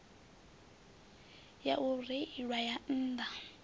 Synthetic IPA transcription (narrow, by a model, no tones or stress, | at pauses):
jaʔuriiɺwajan̩ːd̪a